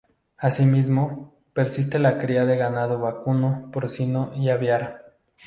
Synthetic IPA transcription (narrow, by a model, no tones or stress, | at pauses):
asimizmo | peɾsis̬t̪elakɾiaðeɣanaðoβakunopoɾsinoiaβjaɾ